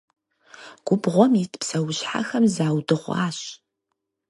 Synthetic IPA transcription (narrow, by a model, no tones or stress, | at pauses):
ɡ̥ʷʊbʁʷɔmitʰpsɐwʊɕħa̰xɐmzaːwdɨʁʷɑ̰ːɕ